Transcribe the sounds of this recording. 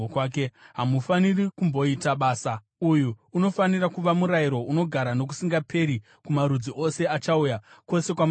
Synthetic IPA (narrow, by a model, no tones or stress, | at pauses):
kaːk̬eɦamufanirikumbo̞itaɓaːsa | ujuːno̞fanirakuʋamuɾaiɾo̞uno̞ɡʱaɾano̞k̬u̥siŋɡapʰe̞ɾi | kumaɾud͡ziʔo̞se̞at͡ʃaujako̞se̞kwam